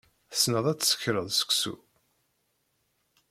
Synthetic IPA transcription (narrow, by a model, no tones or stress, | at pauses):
θə̥snəðˤæt͡sːsə̥çɾəðˤsə̥ksṵ